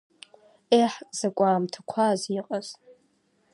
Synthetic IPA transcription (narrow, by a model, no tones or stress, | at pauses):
eħkʼz̥akʷʼaːmtʰḁkʷʰaziqʼaz̥